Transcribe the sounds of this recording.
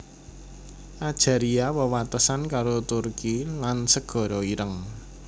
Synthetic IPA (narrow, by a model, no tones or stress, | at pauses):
ʔad̥ʒ̥a̤ɾiawəwat̪əsankaɾot̪urkilansəɡ̥ɔ̤ɾɔiɾəŋ